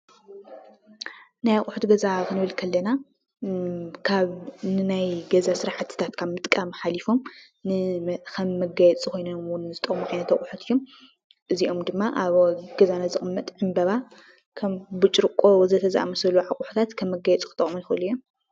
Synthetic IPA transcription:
najaχʼuħut̪ɡɐzakʰɨnɨβɨlkʰɐlːɐna | kʰaβnɨnajɡɐzasɨɾaħɨt̪ʰːɨ̥t̪ʰat̪kʰaβmɨt̪ʼkʼamħalifo̞m | nɨkʰɐmːɐɡajɛt͡sʼikʰo̞jnɐmwʊnzɨt̪ʼɐχʼmuʕajnɐt̪aχʼuħut̪ʰɨjːo̞m | ʔɨziʔo̞md̪ɨmːaʔaβɡɐzanazɨxʼɨmːɐt̪ʼʕɨmbɐβa | kʰɐmbɨt͡ʃʼɾɨkʼːo̞zɐt̪ʰɐzʔa̰mɐsɐluʕakʼʊħu̥t̪ʰat̪kʰɐmːɐɡajɛt͡sʼkʰɨt̪ʼɐ̰munjxɐlːujom

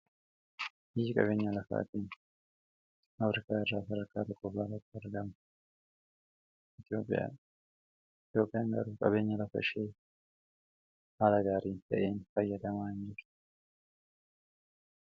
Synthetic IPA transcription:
ɪːkʼɐ̰βe̞ːɲːɐlɐfa̰ːt̪iːn | ɐfɾɪkaːɛrːaːsɐɾɐɾkːaːt̪ɔkʼːɔbaːlɐt̪ːɐɾd̪ɐmɐ | ʔɪt̪ɪjo̞ːpʼːɪ̰ja̰ | t̪jo̞ːpʼːɪjaːŋɡɐ̰ɾuːkʼɐβe̞ːɲːɐlɐfɐ̰ʃeː | haːlɐɡaːɾiːt̪ɐʔeːnfɐjːɐd̪ɐmaːɲːiːɾ̥

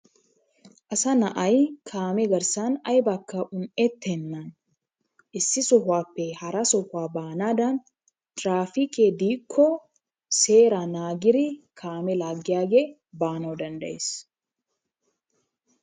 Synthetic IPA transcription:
ʔɐsɐnɐʔɐjkʰaːmɛɡɐɾsaːnɐjbɐkːɐʔʊnɛt̪ːɛnːaːn | ʔɪsːɪsɔɦwaːpːɛhɐɾɐsɔhaːbaːnaːd̪aːn | t̪ɾaːfiked̪iːkʰːɔ | se̞ːɾanaːɡɪɾɪkʰaːmɛlaːɡɪjaːɡeː | baːnɐwd̪ɐnd̪ɐ̰ʔes

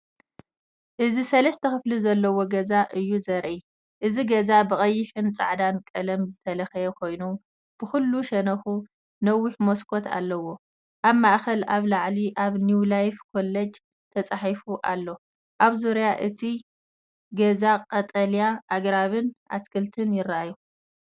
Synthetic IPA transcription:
ʔɨzisɐlɐst̪ʰɐxɨflizɐlːɐwo̞ɡɐzaʔɨjːuzɐɾʔi | ʔɨziɡɐzabɨɣʼɐjːɪħɨnt͡sʼa̰ʕd̪ankʼɐlɐmzɨt̪ʰɐlɐxɐjɛkʰo̞jnu | b̥ɨxulːuʃɐnɐxu | nɐwːʊħmo̞skʰo̞t̪ʰa̰lːɐwo̞ | ʔaβmaʔxɐlaβlaʕliʔaβnjuwlajfkʰo̞lːɐd͡ʒ | t̪ʰɐt͡sʼaħifuʔalːo̞ | ʔaβzuɾjaʔɨt̪ʰi | ɡɐzakʼɐt̪ʼɐljaʔaɡɾaβɨnʔa̰t̪kʰɨlt̪ʰɨnjɪɾːaju

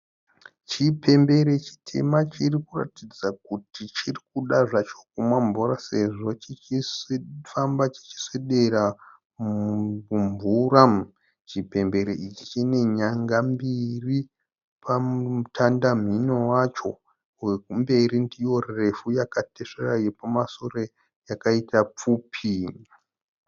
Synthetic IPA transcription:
t͡ʃipʰe̞mbe̞ɾet͡ʃi̥tʰḛmat͡ʃirikura̰tid͡zakutit͡ʃirikuɗaʐat͡ʃo̥k̚umwaɱvurase̞ʐo̞t͡ʃit͡ʃisfambat͡ʃi̥t͡ʃi̥seɗeɾa | umvuɾa | t͡ʃipe̞mbe̞ɾeʔit͡ʃit͡ʃine̞ɲaŋɡambiri | pautʰandam̤ino̞wat͡ʃo̞̰ | wekumbe̞ɾindijo̞rre̞fujakateʂerajepamasore | jakaitap͡fuːpʰi

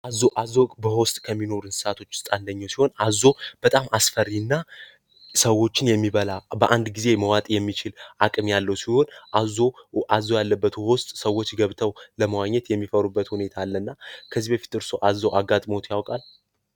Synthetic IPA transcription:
ʔazːoʔazːobəhost̪ʼkʰəmːino̞ɾɨnsɨ̥sat̪ʰo̞t͡ʃːɪ̥st̪ʼand̪əɲːawsiho̞nazːo̞b̥ət̪ʼamasfəɾːiɨnːa | səwːo̞t͡ʃːɪnjɛmːiβəlabəʔand̪ɡize̞məwat̪ʼjɛmːit͡ʃɪlʔakʼɨmjalːəwsiho̞nʔazoʔazːojalːəbːət̪wɔst̪ʼsəwːo̞t͡ʃːɡəβt̪ʰəwləməwaɲːɛt̪jɛmːifəɾubːət̪hune̞t̪ʰaːlːənːakʰəzːibəfi̥t̪ɨɾsoʔazːoʔaɡːat̪ʼmo̞t̪ʰjawkʼal

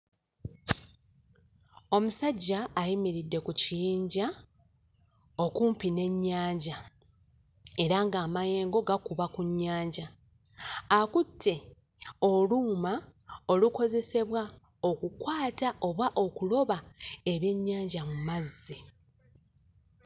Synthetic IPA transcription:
o̞musaɟːaːjimiɾidːe̞kucijiːɲɟa | o̞kumpine̞ɲːaːɲɟa | e̞ɾaŋɡaːmaje̞ːŋɡo̞ɡakuβakuɲːaːɲɟa | akutʰːe̞ | o̞luːmaoluko̞ze̞se̞βwa | o̞kukwaːtaʔo̞βwaʔo̞kulo̞βae̞βje̞ɲːaːɲɟamumazːi

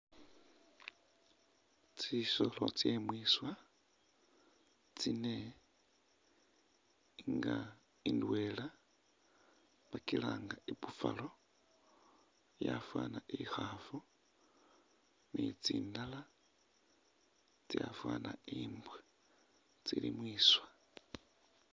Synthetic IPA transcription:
t͡siʃo̞lot͡sjemwiswa | t͡sine | ŋɡa | indwe̞la | βakilaːŋɡaiβufalo | jafwanaʔixafu | nit͡siːndala | t͡sjafwaːnaiːmbwe | t͡silimwiːswa

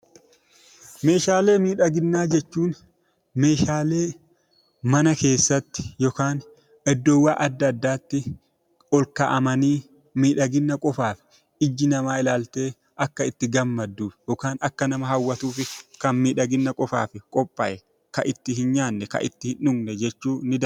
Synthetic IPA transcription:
me̞ːʃaːle̞ːmiːᶑɐɡɪnːaːd͡ʒɛt͡ʃːuːn | me̞ːʃaːle̞ː | mɐnɐke̞ːsːɐt̪ːɪ̥jɔkaːn | ɛd̪ːɔwːaːʔɐd̪ːɐːd̪ːaːt̪ːɪ | ɔlkɐʔɐmɐniː | miːᶑɐɡɪnːɐkʼɔfaːfɪ̥ | ɪd͡ʒːɪnɐmaːɪlaːlt̪e̞ː | ʔɐkːɐɪt̪ːɪɡɐmːɐd̪ːuːfjɔkaːnɐkːɐnɐmɐɦɐwːɐt̪uːfɪkɐnmiːᶑɐɡɪnːɐkʼɔfa̰ːfɪkʼɔpʼːɐʔɛ | kɐʔɪt̪ːɪhɪnɲaːnːɛkɐ̰ʔɪ̰t̪ːɪhɪnʊɡnɛd͡ʒɛt͡ʃːuːnɪd̪ɐ

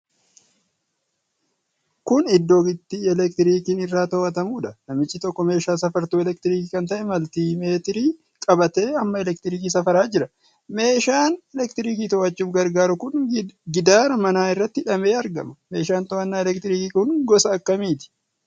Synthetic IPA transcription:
kʊnɪd̪ːo̞ːɡɪt̪ːiɛlɛkt̪ɪɾiːkinɪrːaːt̪oːʔɐt̪ɐmuːᶑɐnɐmɪt͡ʃʼːɪt̪ɔkːɔme̞ːʃaːsɐfɐɾt̪uːɛlɛkt̪ɪɾiːkiːkɐnt̪ɐʔɛmɐlt̪iːme̞ːt̪ɪɾiː | kʼɐbɐt̪e̞ːɐmːɐɛlɛkt̪ɪɾiːk̬iːs̬ɐfɐɾaːd͡ʒɪɾɐ | me̞ːʃaːnɛlɛk̚t̪ɪɾiːkiːt̪oːʔɐt͡ʃːuːfɡɐɾɡaːɾʊkʊnɡɪd̪aːɾɐmɐnaːɪrːɐt̪ːɪᶑɐme̞ːɐɾɡɐ̰mɐme̞ːʃaːnt̪oːɐnːaːɛlɛkt̪ɪɾiːkiːkʊnɡɔsɐːkːɐmiːt̪ɪ̥

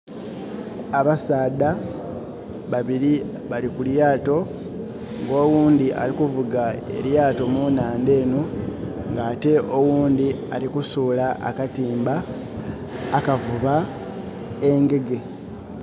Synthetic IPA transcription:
aβasaːda | βaβiɾi | βalikuljaːto̞ | ŋɡo̞ːwuːnd̪iʔa̰likuvuɡae̞̰ɾjaːto̞munaːnde̞ːno | ŋɡaːte̞ʔo̞wuːnd̪ia̰likusuːlaʔa̰katiːmba | kavuβa | eŋɡe̞ɡe̞

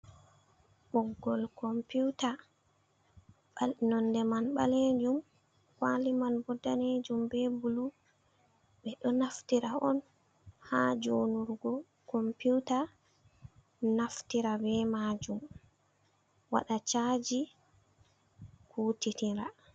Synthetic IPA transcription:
ɓɔɡːɔlkɔmpita | anɔndɛmanɓaled͡ʒum | kalimanbɔdːaned͡ʒumbɛbulu | ɓɛɗɔnaftiɾaɔn | had͡ʒonuɾɡɔ | kɔmpiwta | naftiɾabɛmaːd͡ʒum | wa̰ɗat͡ʃaːd͡ʒi | kʰuːtitiɾa

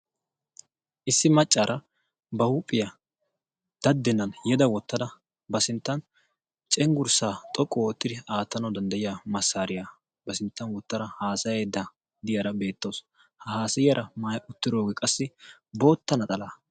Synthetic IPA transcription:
ʔɪsːɪmɐt͡ʃʼːaːɾʔɐ | bɐhupʼːɪjɐ | d̪̥ɐd̪ːɛnːɐnjɛd̪ɐwɔt̪ːɐd̪ɐ | bɐsɪnt̪ːɐn | t͡ʃʼɛŋɡʊɾsaːt̪ʼɔkʼːwoːt̪ːɪd̪ɪaːt̪ːɐnɐwd̪ɐnd̪ɐjɪjaːmɐsːaːɾɪjaː | bɐsɪnt̪ːɐnwɔt̪ːɐɾɐhaːsɐjeːd̪ːa | d̪ɪjɐɾɐbe̞ːt̪ːoːs | hɐhaːsɪjɐɾʔɐmaːjʊt̪ːɪɾo̞ːɡɛkʼɐsːɪbo̞ːt̪ːɐnɐt̪ʼɐlaː

